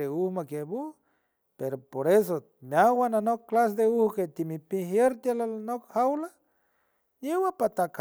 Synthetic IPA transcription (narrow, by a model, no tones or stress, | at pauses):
euhmakebu | peɾopoɾeso | mjawananokːlas̬d̪euhket̪imipiɦjeɾt̪jalalnokhawla | ɲewapat̪ak